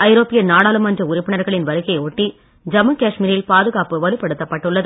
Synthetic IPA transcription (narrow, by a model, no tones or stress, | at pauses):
ɐɪɾoːpɪjɐnaːɽaːlɯmɐndrɐʊɾɪpːɪɳɐɾɣɐɭɪnʋɐɾɯɣɐɪoːʈːi | d͡ʒɐmɯkaːʂmɪɾɪlpaːðɯɣaːpɯʋɐlɯpːɐɽɯt̪ːɐpːɐʈːɯɭːɐðɯ